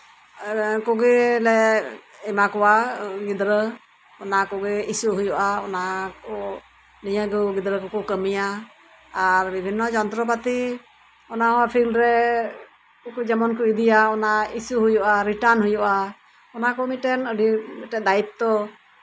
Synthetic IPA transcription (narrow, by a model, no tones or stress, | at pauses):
kɔɡɛlɛɛmakɔwaɡid̪ɾə | ɔnakɔɡɛisuɦujɔʔaɔnakɔ | nijəɡuɡid̪ɾəkɔkukəmija | aɾbibʱinːɔd͡ʒɔnt̪ɾɔp̬at̪i | ɔnahɔwapʰilɾɛ | ɔkud͡ʒɛmɔnkuid̪ijaɔnaisuɦujɔʔaɾiʈaɾnɦujɔʔa | ɔnakɔmit̪̚ʈɛnəɖimiʈɛd̪ait̪̚t̪ɔ